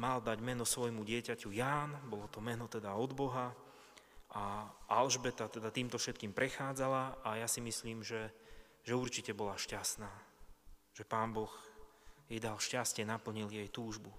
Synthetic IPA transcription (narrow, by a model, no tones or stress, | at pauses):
mald̪aɟmɛnɔsʋɔjmuɟɪɛcacujaːnbɔlɔt̪ɔmɛnɔt̪ɛd̪aɔd̪bɔɦa | ʔaʔalʒbɛt̪at̪ɛd̪at̪iːmt̪ɔfʃɛt̪kiːmpɾɛxaːd͡zalaʔajasimisliːmʒɛ | ʒɛuɾt͡ʃicɛbɔlaʃcasnaː | ʒ̥ɛpaːnbɔx | jɛjd̪alʃcascɪɛnapl̩ɲiljɛjt̪uːʒbu